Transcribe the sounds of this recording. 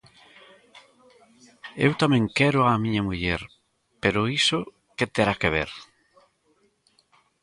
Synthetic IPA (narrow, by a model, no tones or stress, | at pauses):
ḛwt̪amẽŋkɛɾʊamĩɲɐmuʎɛɾ | peɾʊiso | ket̪eɾakeβḛɾ